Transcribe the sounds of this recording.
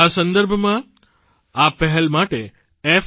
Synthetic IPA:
asə̃nd̪əɾbʱmã | apəɦɛlmaʈe | ef

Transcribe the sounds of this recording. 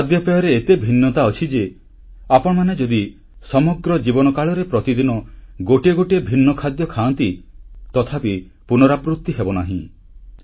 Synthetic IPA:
kʰad̪jɔpejɔɾeet̪ebʱinːɔt̪aɔt͡ʃʰid͡ʒe | apɔɽ̃ɔmaned͡ʒɔd̪i | sɔmɔɡɾɔd͡ʒibɔnɔkaɭɔɾepɾɔt̪id̪inɔɡoʈieɡoʈiebʱinːɔkʰad̪jɔkʰaɔnt̪it̪ɔt̪ʰapi | punɔɾapɾut̪ːiɦebɔnaɦḭ̃

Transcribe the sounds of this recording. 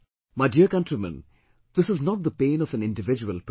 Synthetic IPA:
maɪdiəɾkʌ̃nʈɹimə̰̃n | d̪̥ɪsɨznɔʈ̚d̪əpẽːnɔfə̃nɪ̃nɖɪʋɪd͡ʒuəlp

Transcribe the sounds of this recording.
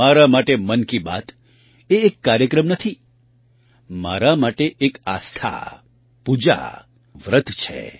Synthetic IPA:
aɾamaʈemənkiba̰t̪ | eːkːaɾjəkɾəmnət̪ʰi | ma̰ɾamaʈeʔekast̪ʰa̰ | pud͡ʒa̰ | ʋɾət̪ʰt͡ʃʰḛ

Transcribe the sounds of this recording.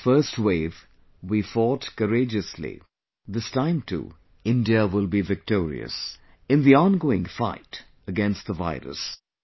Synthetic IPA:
fɜ˞stweɪv | wifɔtkəɾeɪd͡ʒɨslḭ | ðɪstãɪ̃mtʰṵ | ɪ̃ndiəwɪlˠbivɪk̚tɔːɹḭɨ̰s | ɨ̃nðiɔ̃nɡoːɪ̃ŋfa̰ɪt | əɡɛ̃nst̪̚ðəva̰ɪɾɨ̰s

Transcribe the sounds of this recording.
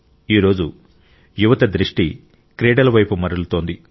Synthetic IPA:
iːɾo̞ːd͡ʒu | juʋɐt̪ɐd̪ɾiʂʈi | kɾeːɖɐlɐʋɐjpumɐɾɐlut̪o̞ːnd̪i

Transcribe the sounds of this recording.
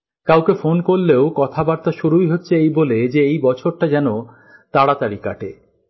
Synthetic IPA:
kawkefonkoɾleokɔt̪ʰabaɾt̪aʃuɾujɦotːɕʰeejboled͡ʑeejbɔt͡ɕʰoɾʈad͡ʑɛno | t̪aɽat̪aɾika̰ʈe

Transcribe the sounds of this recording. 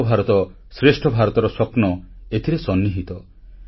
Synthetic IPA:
bʱaɾɔt̪ɔ | sɾesʈʰɔbʱaɾɔt̪ɔɾɔswɔpnɔet̪ʰiɾesɔnːiɦit̪ɔ

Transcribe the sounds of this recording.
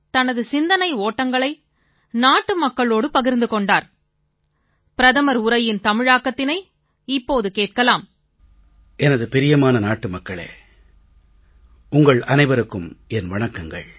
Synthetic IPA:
t̪ɐnɐðɯsɪnd̪ɐnɐɪoːʈːɐŋɡɐɭɐɪ | naːʈːɯmɐkːɐɭoːɽɯpɐɣɪɾnd̪ɯkɔɳɖaːɾ | pɪɾɐðɐmɐɾʊɾɐjɪnt̪ɐmɪɻaːkːɐt̪ːɪnɐɪ | ɪpːoːðɯkeːʈ̚kɐlaːm | ʔɛnɐðɯpɪɾɪjɐmaːnɐnaːʈːɯmɐkːɐɭḛː | ʊŋɡɐɭɐnɐɪʋɐɾɯkːɯmɛnʋɐɳɐkːɐŋɡɐ̰ɭ

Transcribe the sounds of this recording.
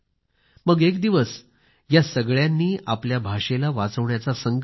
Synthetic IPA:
məɡekd̪iʋəs | jasəɡɭjanːiːʔapljabʱaʂelaʋat͡səʋɳjat͡sasəŋɡ

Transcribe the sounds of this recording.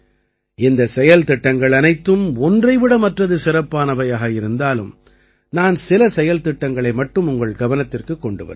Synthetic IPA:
ɪnd̪ɐsɛjɐlt̪ɪʈːɐŋɡɐɭɐnɐɪt̪ːɯmɔndrɐɪʋɪɽɐmɐʈrɐðɯsɪɾɐpːaːnɐʋɐjaːɣɐɪɾɯnd̪aːlɯ̰m | naːnsɪlɐsɛjɐlt̪ɪʈːɐŋɡɐɭɐɪmɐʈːɯmʊŋɡɐɭɡɐʋɐnɐt̪ːɪrkɯkːɔɳɖɯʋɐ̰ɾ

